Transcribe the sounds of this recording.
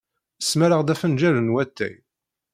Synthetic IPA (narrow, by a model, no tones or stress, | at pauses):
əsmæɾəʁd̪æfənd͡ʒælənwæt̪ːæ̰j